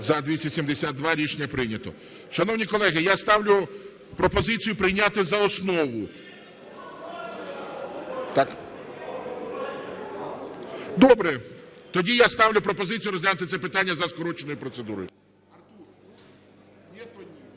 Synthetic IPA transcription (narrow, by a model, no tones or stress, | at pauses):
zɐd̪ʋʲisʲɐsʲimd̪esʲad̪̚d̪ʋaɾʲit͡ʃnʲɐpɾɪnʲɐt̪ɔ̰ | ʃɐnɔwnʲikɔlˠɛɦɪjast̪ɑwlʲʊ | pɾɔpɔzɪt͡sʲijʊpɾɪjnʲat̪ɪzɐɔsnɔʋʊ | t̪ak | d̪ɔbɾɛt̪ɔdʲijast̪ɑwlʲʊpɾɔpɔzɪt͡sʲijuɾɔzʲlʲanʊt̪ɪsɛpɪt̪anʲːɐzɐskɔɾɔt͡ʃenɔjʊpɾɔt̪sed̪uɾɔ̰jʊ | ɐt̪u | jɛt̪ɔ